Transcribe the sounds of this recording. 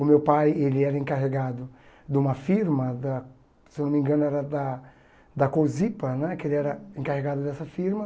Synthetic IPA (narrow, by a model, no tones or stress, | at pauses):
ʊmewpajelɪɛɾɐẽŋkaɦeɡad̪ʊ | d̪ɪũmɐfiɾmɐd̪ɐ | sewnõmĩɡɐ̃nʊɛɾɐd̪ɐ | d̪ɐkozipɐnɛkɪelɪɛɾɐẽŋkaheɡad̪ʊd̪ɛsɐfiɾmɐ